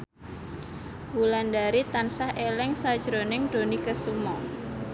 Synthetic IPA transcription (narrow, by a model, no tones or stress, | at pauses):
wulandaɾit̪ansahʔelɛŋsad̥ʒ̥ɾonɪŋd̥o̤nikəsumɔ